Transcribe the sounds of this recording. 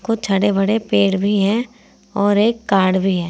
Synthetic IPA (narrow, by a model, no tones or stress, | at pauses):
kot͡ʃʰɐɽebɐɽepeːɽbʱiɦɛ̃ | ɔːɾeːkːaːɾɽbʱiɦɛː